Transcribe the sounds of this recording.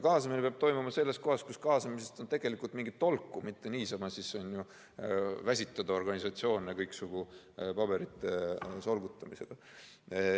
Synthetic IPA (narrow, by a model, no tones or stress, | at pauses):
kɑːsɑminepeɑb̥̚t̪o̞jmumɑse̞lːe̞sko̞ɦɑskuskɑːsɑmise̞st̪o̞nt̪e̞ɡ̥e̞likˑult̪miŋɡit̪ːo̞lkːˑumit̪ːe̞niːsɑmɑsisonju | væsʲit̪ːˑɑd̪̥ɑo̞rɡ̥ɑnʲisɑt̪sio̞ːnekɤjksuɡ̥u | pɑb̥e̞ɾit̪ːˑeso̞lɡ̥ut̪ːˑɑmise̞ɡ̥ɑ